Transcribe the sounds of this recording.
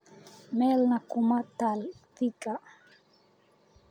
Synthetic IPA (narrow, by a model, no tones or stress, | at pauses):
mɛlnakumat̪alfika